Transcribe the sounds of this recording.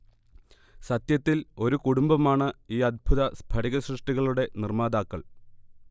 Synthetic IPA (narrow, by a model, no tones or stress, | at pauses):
sɐt̪jɐt̪ːilo̞ɾukuɽumbɐmaːɳɨiːɐd̪̚bʱuðɐsbʱɐɽiɣɐɕrɨʂʈiɣɐɭuɽe̞nirmaːd̪aːkːɐɭ